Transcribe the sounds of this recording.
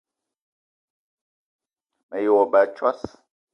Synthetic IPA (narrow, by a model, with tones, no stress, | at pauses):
mɛ˨jo˨wɔ˨ɓa˨˦t͡ʃwa˦s